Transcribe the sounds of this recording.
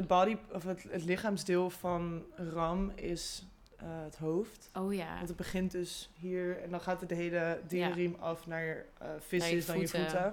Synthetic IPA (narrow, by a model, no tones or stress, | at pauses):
əd̚bɑːdiɔfətətlɪχaːmzdɪːlˠfɑnrɑmɪs | əətɦowftojaɔntəd̚bəχɪntdøsɦiːɹɛndɔnχaːtədəɦejlədiərimɑfnaːɹjfɪsəsdɔnnjəfutə